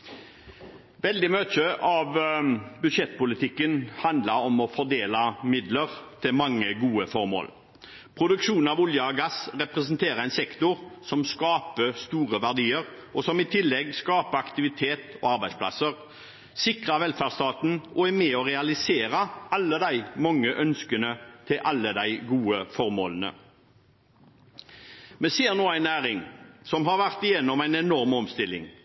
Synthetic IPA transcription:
ʋɛld̪ɪmøːt͡ʃəʔɑʋbʉd̪ʂɛt̪ːpʊlɪt̪ʰɪkːənhɑnd̪lɑɾɔmɔfɔd̪eːlɑmɪd̪ləɾt̪ʰɪlmɑŋːəɡuːəfɔɾmo̰ːl | pʰɾʊd̪ʉkʂuːnɑʋʊljəɑɡɑsʁɛpʁɛsənt̪ʰeːɾəɾæɪnsɛkt̪ʊɾsɔmskɑːpəst̪uːʁəʋæʁd̪iːəɾ | ʔɔsɔmɪt̪ʰɪlːɛɡskɑːpəɑkt̪ɪʋɪt̪ʰeːt̪ɔ̰ɑɾbæɪspʰlɑ̰səʁ | sɪkʁɑʋɛlfæːʁst̪ɑːt̪n̩ʔɔæmɛɔʁɛɑlɪseːɾəɑlːəd̪æɪmɑŋːəʔœnskənət̪ʰɪlʔɑlːəd̪æɪɡuːəfɔʁmo̰ːlənə̰ | mɛseːʁnoːæɪnæːʁɪŋsɔmɦɑʁʋæʁt̪ɪjɛnːɔmæɪnɛnɔʁmɔmst̪ɪlɪ̰ŋ

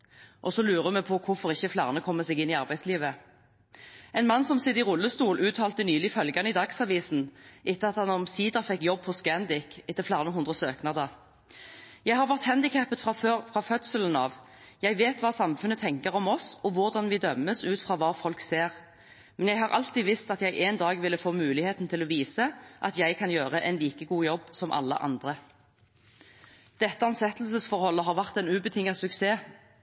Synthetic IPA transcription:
ʔɔsɔlʉːʁəmɛpʰɔkʰʊfɔʁɪçːəflæːʁnəkʰɔmːəsɛɡɪnːɪɑʁbæɪsliːʋə | ɛɪnmɑnːsɔmsɪd̪ɪʁʊlːəst̪uːlʔʉːt̪ʰɑːlt̪ənyːlɪfœlɡɑnəɪd̪ɑɡsɑʋiːsn̩ʔɪt̪ːəɑt̪hɑnɔmsiːd̪ɑfɛkːjɔb̚pʰɔskænd̪ɪkɪt̪ːəflæːʁnəɦʊnd̪ʁəsøːknɑd̪əʁ | jæɪhɑːʁʋæʁt̪hænd̪ɪkʰæpət̪fʁɑfœt̪sələnɑ̰ʋ | jæɪʋeːt̪ʋɑːsɑmfʉnət̪ʰɛŋkəʁɔmɔsɔʋʊʁd̪ɑnʋɪd̪œmːəsʉːt̪fʁɑːʋɑːfɔlkseːʁ | mɛnjæɪhɑʁʔɑ̰lt̪iːʋɪst̪ɑt̪jæɪʔeːnd̪ɑːɡʋɪlːəfoːmʉːlɪheːt̪n̩t̪ʰɪlɔʋiːsəʔɑ̰t̪jæɪkʰɑnjøːʁəʔɛnliːkəɡuːjɔbːsɔmʔɑ̰lːə̰ʔɑ̰nd̪ʁə | d̪̥ɛt̪ːəɑnsɛt̪l̩səsfɔʁhɔlːəɦɑːʁʋæʁt̪ɛɪnʉːbət̪ʰɪŋːɑsʉkseː

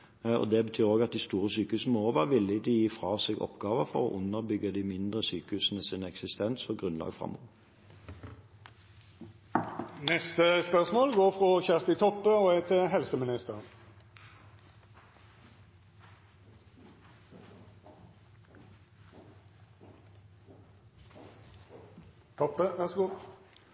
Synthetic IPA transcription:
ɔ̰d̪ɛbət̪ʰyːʁoːɡɑt̪̚d̪ɪst̪uːʁəsyːkəʉːsn̩əoːʋəʁʋɪlːɪd̪ɪjiːfʁɑːseːɡɔ̰pɡɑːʋəʁfɔ̰ʁɔ̰ːʔʊnːəʁbʏɡːəd̪ɪmɪnd̪ʁəsyːkəʉːsn̩əsɪnɛksɪst̪ʰɛnsɔɡʁʉnlɑ̰ːɡfʁɑ̰mːo̰ːʋ | nɛst̪əspœʁsmoːlɡoːʁfʁoːçæʁt̪ɪt̪ʰɔpːəoːɛːt̪ʰɪɦɛlsəmɪnɪst̪əʁ | t̪ʰɔpːəʋæʁsɡuː

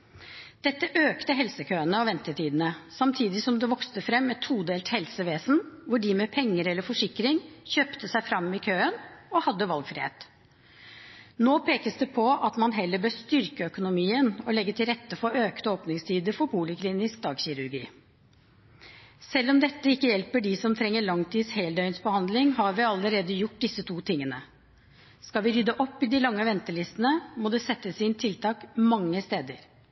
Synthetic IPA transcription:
d̪̥ɛt̪ːəʔøːkt̪əɦɛlsəkʰøːənəɔʋɛnt̪əʈiːd̪ən̩əsɑmt̪ʰiːd̪ɪsɔmd̪ɛʋɔkst̪əfɾɛmːɛt̪ʰːuːd̪eːlt̪hɛlsəʋeːsn̩ʋʊɖiːmɛpʰɛŋːəɾɛlːəɾfɔʂɪkɾɪŋçøːpt̪əsæɪfɾɑmːɪkʰøːənɔhɑd̪ːəʋɑlɡfɾɪhḛːt̪ | noːpʰeːkəsd̪ɛpʰɔʔɑt̪mɑnɦɛlːəbøːst̪ʏɾkəœkʊnʊmiːənɔlɛɡːət̪ʰɪlɾɛt̪ːəfɔøːkt̪oːpnɪŋst̪ʰiːd̪əfɔɾpuːlɪkʰliːnɪsk̚d̪ɑːɡɕɪɾʉɾɡḭː | sɛlːɔmd̪ɛt̪ːəɪkːəjɛlpəɖɪsɔmt̪ʰɾɛŋːəɭɑŋt̪ʰiːd̪sheːld̪œʏənsbəhɑnd̪lɪŋɦɑɾʋɪɑlːəɾeːd̪əjʊʈ̚ːd̪ɪsət̪ʰuːt̪ʰɪŋːənə | skɑlʋɪɾʏd̪əʔɔpːɪd̪ɪlɑŋːəʋɛnt̪əɭɪst̪ənəmɔd̪ɛsɛt̪ːəsɪnt̪ʰɪlt̪ʰɑːkmɑŋːəst̪eːd̪əɾ

